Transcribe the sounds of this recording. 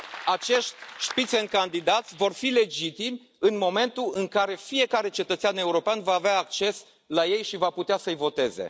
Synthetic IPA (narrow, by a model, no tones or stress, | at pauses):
at͡ʃe̞ʃt̪ʲʃpit̪senkand̪id̪at̪sʲvo̞rfile̞d͡ʒit̪imʲ | ɨnmo̞me̞nt̪uɨŋkaɾe̞fije̞kaɾe̞t͡ʃe̞t̪ət̪sʲane̞uɾo̞peanvaːveaːk̚t͡ʃe̞s | laje̞jʃivaput̪easəɨjvo̞t̪e̞ze̞̰